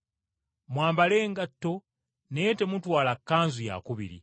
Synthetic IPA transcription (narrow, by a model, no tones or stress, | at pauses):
mwaːmbale̞ːŋɡatːo̞ | nejete̞mutwaːlakːaːnzuja̰kuβḭɾḭ